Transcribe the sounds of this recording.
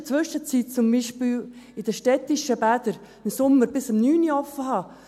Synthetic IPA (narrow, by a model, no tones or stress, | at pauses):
t͡sʋʏʃət͡siːt̚t͡sʊmbiːʃpiːlɪd̥əʃtɛt̪ːiʃəbæd̪əɾ | ɪmsʊmːəɾb̥ɪsəmnyːniɔfəɦɑː